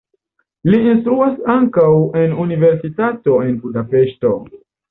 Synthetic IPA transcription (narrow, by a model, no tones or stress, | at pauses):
liːnstɾuasaŋkawe̞nunive̞ɾsitato̞e̞nbudape̞ʃto̞